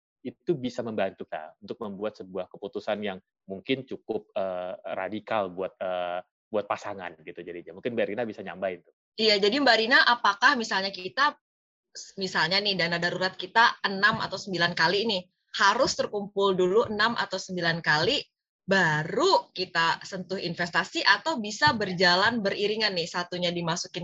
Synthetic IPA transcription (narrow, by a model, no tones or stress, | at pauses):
it̪ubisaməmbant̪uka̰unt̪ʊk̚məmbuat̪səbuahkəput̪usanjaŋ | muŋkɪnt͡ʃukʊp̚əra̰dikalbuat̪̚ə | buat̪̚pasaŋa̰nɡit̪ud͡ʒadiɲamuŋkɪnbaɾinabisaɲa̰mbaint̪u̥ | ijad͡ʒadiəmbaɾinaʔapakahmisalɲakit̪a | misalɲanɪhdanadaɾuɾat̪̚kit̪aənama̰t̪awsəmbilankaliːnɪ | haɾʊst̪ərkumpʊlduluʔənamʔa̰t̪awsəmbilankali | baɾukit̪asənt̪ʊhinfɛst̪asiʔat̪awbisabərd͡ʒalanbəriɾiŋanːɪhsat̪uɲadimasukɪn